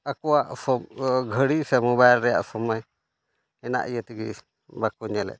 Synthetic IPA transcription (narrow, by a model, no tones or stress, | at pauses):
akɔwaʔsɔɡʱəɽisɛmɔβajlɾɛja̰ʔsɔmɔj | ɛna̰ʔijət̪iɡi | bakuɲɛlɛ̰ʔ̚